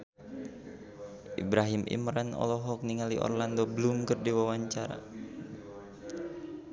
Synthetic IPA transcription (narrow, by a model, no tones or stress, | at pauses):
ʔḭbɾaɦimʔḭmɾɛnɔ̰lɔɦɔk̚niŋaliʔɔ̰rlandobəlumkərdiwawaɲt͡ʃaɾa̰